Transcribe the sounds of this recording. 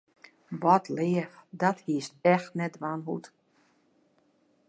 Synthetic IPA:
ʋɔtʰlɪːəfdɔthiəstɛxtnɛtʋanɦṵt

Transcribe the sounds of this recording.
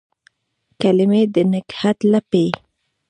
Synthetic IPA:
kalɪmed̪ənakhat̪lape

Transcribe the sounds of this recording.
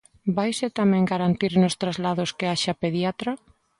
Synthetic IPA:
bajsɪt̪amɛ̃ŋɡaɾant̪iɾnʊst̪ɾazlaðʊskeaʃapeðjat̪ɾa

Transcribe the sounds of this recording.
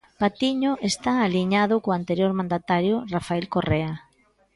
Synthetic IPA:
pat̪iɲoʔest̪aːliɲaðʊkoant̪eɾjoɾmãnd̪at̪aɾjʊrafaɛlkorea

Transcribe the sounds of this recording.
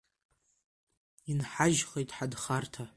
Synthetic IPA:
inħaʒχejtʼħadχartʰa

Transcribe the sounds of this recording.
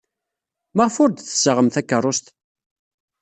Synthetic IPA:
məʁfʊɾd̪θə̥səʁəmθækːərˤːost̪

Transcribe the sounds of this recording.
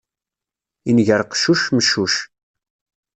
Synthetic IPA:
inʝəɾqʃuʃməʃːuʃ

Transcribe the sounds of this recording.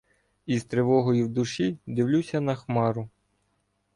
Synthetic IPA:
izt̪ɾeʋɔɦɔjiwd̪ʊʃid̪ɪwlʲusʲɐnɐxmɑɾʊ

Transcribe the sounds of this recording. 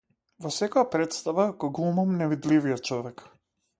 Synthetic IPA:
vɔsɛkɔjapɾɛt̪st̪avaɡɔɡlˠumamnɛvid̪livijɔt̪̚t͡ʃɔvɛk

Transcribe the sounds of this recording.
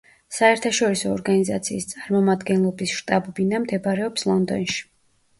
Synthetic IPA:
saɛɾt̪ʰaʃɔɾisɔ̰ːɾɡaniza̰t̪sʰḭːst̪sʼaɾmɔmad̪ɡɛnlˠɔbisʃt̪ʼabɔbinamd̪ɛbaɾɛɔpslˠɔnd̪ɔ̰nʃi̥

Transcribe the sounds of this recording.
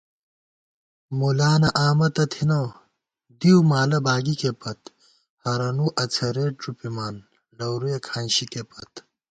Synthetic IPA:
mulaːnɐʔaːmɐt̪ɐt̪ʰinɐw | d̪iwmaːlɐbaːɡikepɐt̪ | hɐɾɐnuʔɐt͡sʰɐɾeːʈɾupimaːn | ɖɐwɾujekʰaːnɕikepɐt̪

